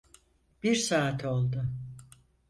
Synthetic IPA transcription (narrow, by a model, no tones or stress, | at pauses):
b̥iɾsaːt̪ʰo̞lˠd̪ʊ